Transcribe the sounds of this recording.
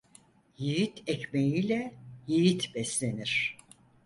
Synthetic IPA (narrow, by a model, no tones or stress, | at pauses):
jijit̪ʰɛcmejilʲɛjijit̪ʰbɛslʲe̞niɾ̥